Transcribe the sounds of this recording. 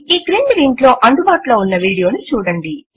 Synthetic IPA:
iːkɾiːnɖliːɳʈlo̞ːʔɐnd̪ubaːʈuloːunːɐʋiːɽijo̞ːnut͡ʃuːɽɐɳɖi

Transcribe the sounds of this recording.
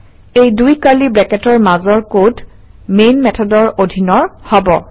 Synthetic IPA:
ejdujkalibɛkɛtɔɹmazɔɹkod | menmɛtʰɔdɔɹodʱinɔɹhɔbɔ

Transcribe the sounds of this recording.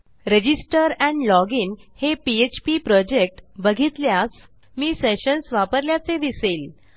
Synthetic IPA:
ɾed͡ʑisʈəɾɛ̃ɳɖlɔɡiːnhepiet͡ɕpipɾɔd͡ʑek̚ʈbəɡʱit̪ljas | miːseɕənsʋapəɾljat͡sed̪iseːl

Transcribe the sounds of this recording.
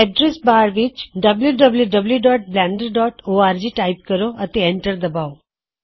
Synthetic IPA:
ɛɖɾesbaɾʋit͡ʃɖəbljuɖəbljuɖəbljuɖɔʈ̚blɛ̃ɳɖəɾɖɔʈoaɾd͡ʒiʈaip̚kəɾoət̪eɛɳʈəɾd̪əbao

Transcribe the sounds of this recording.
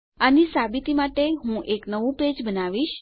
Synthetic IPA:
anisabit̪imaʈeɦũʔeknəʋũped͡ʒbənaʋiʃ

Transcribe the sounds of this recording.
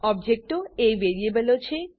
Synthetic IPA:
ɔb̚d͡ʑʱek̚ʈoejʋeɾiebelot͡ɕʰe

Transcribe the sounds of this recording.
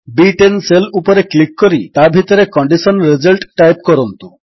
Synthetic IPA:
biʈenselupɔɾeklikːɔɾit̪abʱit̪ɔɾekɔɳɖisɔnɾizɔlʈʈajpkɔɾɔnt̪u

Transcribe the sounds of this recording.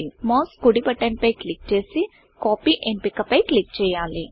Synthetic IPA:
imoːskuɽipɐʈːɐɳpɐjklik̚t͡ʃe̞ːsi | koːpiʔempikɐpːɐjklik̚t͡ʃɛːjːaːli

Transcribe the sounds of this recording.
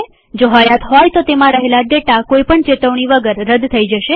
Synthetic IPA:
d͡ʒoɦəjat̪ɦɔjt̪ot̪emãɾəɦelaɖeʈakoipəɳt͡ʃet̪əʋɳ̃iʋəɡəɾːəd̪t̪ʰəid͡ʒəʃe

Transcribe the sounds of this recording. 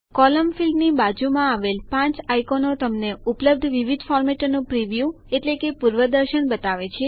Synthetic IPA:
kɔləmfilɖnibad͡ʒumãaʋelpãt͡ʃajkonot̪əmneupləb̚d̪ʱʋiʋid̪fɔɾmeʈnũpɾiʋju | eʈlekepuɾʋəd̪əɾʃəɳbət̪aʋet͡ʃʰe

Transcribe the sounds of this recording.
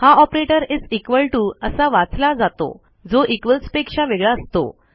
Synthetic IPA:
haɔpɾeʈəɾid͡zikʋəlʈuəsaʋat͡slad͡zat̪o̰ | d͡zoʔikʋəlspekʂaʋeɡɭaəst̪o̰

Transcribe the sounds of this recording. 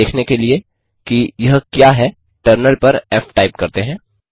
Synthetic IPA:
eːkʰnekelie | kijɐɦkjaːɦɛ | ʈəɾnəlpɐɾɛːfʈaːɪp̚kɐɾt̪eɦɛ̃ː

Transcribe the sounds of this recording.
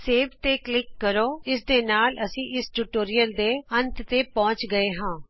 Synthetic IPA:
seːʋt̪eːklɪkːəɾoːɪsd̪eːnaːlʔəsĩːʔɪsʈuʈoːɾɪjəld̪eːənt̪t̪eːpɔ̃ːt͡ʃɡəeːɦãː

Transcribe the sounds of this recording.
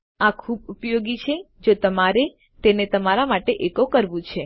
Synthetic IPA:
akʰubupjoɡit͡ʃʰe | d͡ʒot̪əmaɾe | t̪enet̪əmaɾamaʈeʔekokəɾʋũt͡ʃʰe

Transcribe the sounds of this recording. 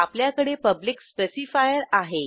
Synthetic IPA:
apljakəɽepəblikspesifajəɾaɦe

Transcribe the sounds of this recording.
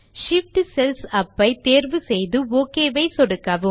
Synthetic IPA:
ʂɪfʈsɛlsɐpːɐɪt̪eːɾʋɯsɛjðɯoːkeːʋɐɪsɔɽɯkːɐʋɯ

